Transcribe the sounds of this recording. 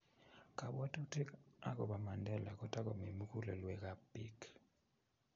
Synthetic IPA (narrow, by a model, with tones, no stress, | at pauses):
ka˨bwɔ˦to˦te˦ka˦kɔ˨ba˨ma˨ndɛ˦la˨kɔ˨ta˦kɔ˨mi˨mu˦ku˦le˨lwɛ˨ka˦pi˦k